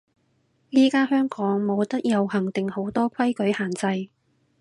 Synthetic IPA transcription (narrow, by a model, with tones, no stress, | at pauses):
niː˥kaː˥ɦœː˥ŋkɔː˨˥ŋmo˨˧wt̪ɐ˥k̚jɐ˨˧whɐ˨˩ŋt̪ɪ˨ŋho˨˥wt̪ɔː˥kʰɐ˥jkɵ˨˥haː˨˩nt͡sɐ˧j